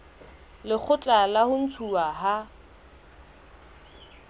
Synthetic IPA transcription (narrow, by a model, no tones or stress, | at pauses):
lɪk͡xʰʊt͡ɬʼalahʊn̩t͡sʰuaɦa